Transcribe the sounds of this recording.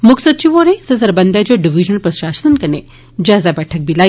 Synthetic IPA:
mʊksət̪̚t͡ʃiʋoːɾẽsɐsɐɾbɐnd̪ad͡ʒoɖiʋid͡ʒənəlpɾɐʃaːʃt̪ənkɐnḛ | d͡ʒaːzabɛːʈʰək̚bʱilaː

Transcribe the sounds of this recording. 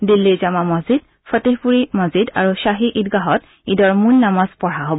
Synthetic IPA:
dilːizamamɔzid | fɔteɦpuɹimɔzida̰ɹuʃaɦiʔitɡaɦɔt̚ | idɔɹmunːamazpɔɹaɦobɔ

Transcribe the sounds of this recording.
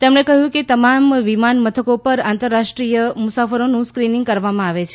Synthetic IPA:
t̪emɳekəɦjũket̪əmamʋimanmət̪ʰəkopəɾãnt̪əɾːaʂʈɾijəmʊsafəɾonũskɾinĩŋɡ̚kəɾʋamãaʋet͡ʃʰe

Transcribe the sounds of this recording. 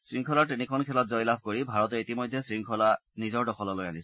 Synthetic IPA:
sɹiŋkʰɔlaɹtinikʰɔnkʰɛlɔt̚zɔjlabʱkoɹibʱaɹɔtɛitimɔjdʱːɛsɹiŋkʰɔlanizɔɹdɔxʰɔlɔlojanisɛ

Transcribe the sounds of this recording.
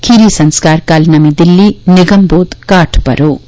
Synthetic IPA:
kʰiɾisɐnskarkalnɐmid̪ilːiniɡʌmbod̪kaʈʰpʌ̰ɾo

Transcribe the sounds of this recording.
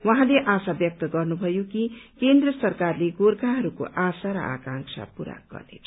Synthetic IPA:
wʌ̃ɦãleʔasabjʌk̚t̪ʌɡʌrnubʱʌjokikend̪rʌsʌrkarleɡorkaɦʌɾuko̰ʔasaɾʌ̰ʔa̰kãŋksʰa̰puɾa̰kɡ̥ʌ̰rnḛt͡sʰʌ̥

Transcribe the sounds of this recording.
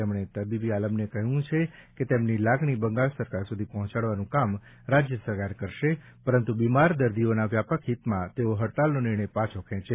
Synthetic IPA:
emɳ̃et̪əbibialəmnekəɦjũt͡ʃʰeket̪emnilaɡɳ̃ibəŋɡaɭsəɾkaɾsud̪ʱipəɦɔ̃t͡ʃaɽʋanũkam | ɾad͡ʒjəsəɾkaɾkəɾʃe | pəɾənt̪ubimaɾd̪əɾd̪ionaʋjapəkʰɦit̪mãt̪eoɦəɽt̪alnonɪɾɳəjpãt͡ʃʰokʰɛ̃t͡ʃe

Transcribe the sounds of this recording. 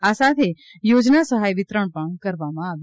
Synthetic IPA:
aːsãt̪ʰe | joːd͡ʒnasəɦaːiʋɪt̪ɾəɽ̃pəɳ̃kɐɾʋaːmãaːʋe

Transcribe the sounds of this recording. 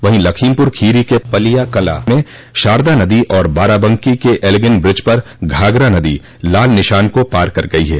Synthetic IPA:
ʋɐɦĩlɐkʰiːmpʊɾkʰiːɾikepɐlijakɐla̰mẽ | ʃaːɾd̪anɐd̪iʔɔːɾbaːɾabə̃ŋkikeʔelɡənbɾɪd͡ʒpɐɾ | ɡʱaːɡɾanɐd̪i | laːlnɪʃaːnkopaːɾkɐɾɡɐiɦɛː

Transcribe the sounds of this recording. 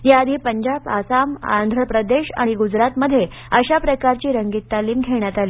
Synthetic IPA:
jaad̪ʱiːpəɲd͡ʑaba̰sama̰nd̪ʱɾəpɾəd̪eɕa̰ɽ̃iɡud͡zɾat̪məd̪ʱːje | əɕapɾəkaɾt͡ɕiːɾəŋɡiːt̪ːaliːmɡʱeɽ̃jat̪aliː

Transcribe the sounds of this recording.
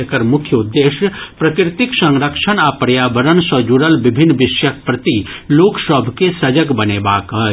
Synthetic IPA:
kəɾmʊkʰjəud̪ːeːʃjəpɾɐkɾɪt̪ɪksɐ̃ŋɾəkʂənaːpɾɐjaːbəɾənsɐd͡ʒuɽəlʋɪbʱɪnːʋɪʃjək̚pɾɐt̪iloːksəbʱkesɐd͡ʒəɡbɐnebaːkɦə

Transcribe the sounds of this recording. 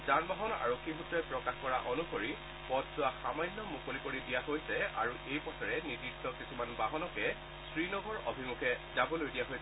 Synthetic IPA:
zanbaɦɔna̰ɹokʰːiɦutɹɔjpɹɔkaxkɔɹa̰ʔonuxoɹi | pɔtzʊaxamajnːɔmukolikoɹidijaɦojsɛa̰ɹuʔejpɔtʰɔɹɛnidik̚tɔkisumanbaɦɔnɔkɛ | sɹinɔɡɔɹo̰bʱimukʰɛzabɔlojdijaɦojs

